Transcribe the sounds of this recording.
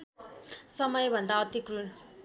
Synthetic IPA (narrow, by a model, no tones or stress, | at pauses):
sʌmʌjbʱʌnd̪aʌt̪ikrun